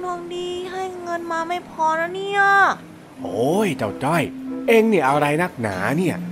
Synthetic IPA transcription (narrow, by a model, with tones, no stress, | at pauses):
nu˧ŋdiː˧ɦa˥˩jŋɤ˧nmaː˧ma˥˩jpʰɔː˧ɾa˦˥wni˥˩ə | ʔoː˧˦jt͡ɕa˧˩wt͡ɕɔ˥˩jʔeː˧ŋni˥˩ʔa˧wɾa˧jna˥˩k̚na̰ː˩˦ni˥˩ɐ